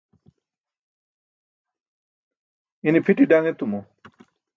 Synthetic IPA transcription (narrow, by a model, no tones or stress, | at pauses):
inipʰiʈiɖaŋet̪umɔ